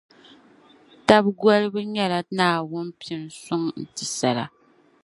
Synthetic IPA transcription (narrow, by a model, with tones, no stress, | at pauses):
ta˦bɡʷɔ˦lɨ˦bɨ˦ɲɛ˦la˨naː˨wʊ˦n˦pi˨ɪ˨n˨sʊ˦ŋn̩˨tɨ˨sa˨la̰˨